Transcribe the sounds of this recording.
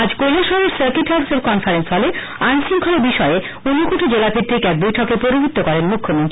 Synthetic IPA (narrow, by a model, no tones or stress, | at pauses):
ad͡ʑkojlaʃɔɾeɾsaɾkiʈʰakseɾkɔnfaɾensfʰɔle | ajnsiŋkʰoleɾbiʃɔe | unːokuʈʰid͡ʑelapʰiɾt̪ʰekɛk̚bojʈʰɔkepoɾibʱit̪ːokɔɾenmukʰːomont̪ɾii